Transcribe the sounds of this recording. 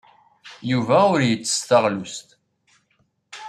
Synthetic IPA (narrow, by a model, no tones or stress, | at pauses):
juvæʊɾjət͡sːə̥st̪əʁlust̪